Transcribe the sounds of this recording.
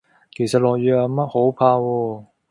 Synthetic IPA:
kʰe˨˩jsɐ˨t̚lɔː˨k̚jyː˨˥ɐ˨˧mɐ˥t̚ho˨˥wpʰaː˧wɔː˧

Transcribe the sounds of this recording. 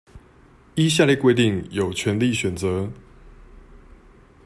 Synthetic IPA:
i˥ɕ̬ja˥˧lji˥˨kwe˥ɪt̪i˥˨ŋjo˨˩ʊt͡ɕʰɥɛ˨˧˥nli˥˨ɕɥɛ˨˩nt͡sɤ˨˦

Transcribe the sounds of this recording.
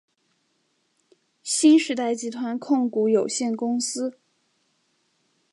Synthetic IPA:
ɕi˥nʂɻ̩˧˥t̪a˥˩ɪt͡ɕi˧˥t̪ʰwa˧˥nkʰʊ˥˩ŋku˧˥jo˨˩ʊɕjɛ˥˩nkʊ˥ŋsɹ̩˥

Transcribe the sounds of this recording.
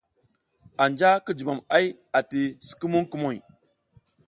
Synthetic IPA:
a˨nd͡ʒa˦ki˦d͡ʒi˨ma˨ma˦j | a˨ti˨si̥˨ki˦mu˦ŋku˦mo˨j

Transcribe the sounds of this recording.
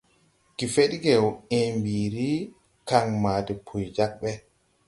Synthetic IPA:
ki˨fe˦ɗɡɛwembiː˨ɾi˦ | ka˨ŋmaː˨tɛ˨pʰu˨jd͡ʒa˦k̚ɓɛ˦

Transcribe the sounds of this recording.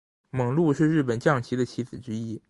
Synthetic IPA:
mɤ˨˩ŋlu˥˧ʂɻ̩˥˧ɻɻ̩˥˩p̬ə˨˩nt͡ɕjɑ˥˩ŋt͡ɕʰi˧˥d̪ə˧t͡ɕʰi˧˥t͡sɹ̩˨˩ʈ͡ʂɻ̩˧˥i˥˩

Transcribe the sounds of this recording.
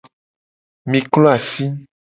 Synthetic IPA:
mĩ˨klɔ˦a˨si˦

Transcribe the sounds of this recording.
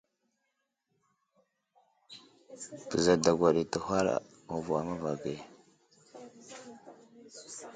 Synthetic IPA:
pə˨za˨da˨ɡʷa˨ɗi˨tə˨hʷa˦ɾa̰˨ | u˨vu˨a˨ma˦va˨ɡe˨

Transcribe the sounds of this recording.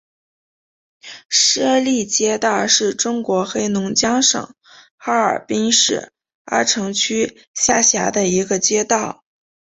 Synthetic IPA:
ʂɻ̩˥ə˥˧li˥˩t͡ɕjɛ˥t̪ɑ˥˧ʊʂɻ̩˥˩ʈ͡ʂʊ˥ŋkwɔ˧˥xe˥ɪnʊ˧˥ŋt͡ɕjɑ˥ŋʂɤ̰˨˩˦ŋ | xa˥ə̰˞˨˩pi˥ŋʂɻ̩˥˩ | a̰˥ʈ͡ʂʰɤ˧˥ŋt͡ɕʰy˥ | ɕja˥˩ɕja˧˥d̪ə˧i˧˥ɡə˧t͡ɕjɛ˥t̪ɑ˥˩ʊ

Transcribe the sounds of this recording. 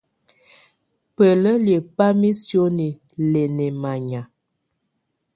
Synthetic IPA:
pə˨lə˦lje˨pa˦mi˦sjo˦ni˨ | lɛ˨nɛ˨ma˨ɲa˨

